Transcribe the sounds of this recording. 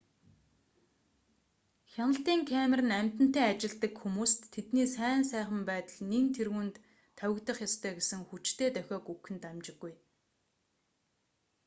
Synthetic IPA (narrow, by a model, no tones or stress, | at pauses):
xʲanə̆ɬt̪iːŋkʰæmʲerɘ̆næm̥ʲt̪ɘ̆n̥t̪eːat͡ɕɪ̆ɮt̪ə̆kxumuːsʰet̪niːsæːnsæːχə̆mpæːt̪ə̆ɮnint̪ʰerɣuːnt̪ʰː | œwɪ̆kt̪ə̆χjɔst̪ʰœːɡesɘ̆ŋxut͡ɕt̪ʰeːt̪œxʲɔːkukɘ̆nt̪amt͡ɕɪ̆ɡːuj